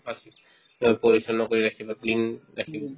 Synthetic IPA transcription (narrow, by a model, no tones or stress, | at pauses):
pasi | ɔpoɹisɔnɔkoɹiɾakʰibaklinɹakʰib